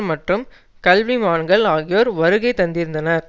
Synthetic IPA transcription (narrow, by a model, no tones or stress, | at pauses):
mɐʈrɯm | kɐlʋimaːɳɡɐɭaːɣɪjoːɾʋɐɾɯɣɐɪt̪ːɐnd̪ɪɾɯnd̪ɐnɐɾ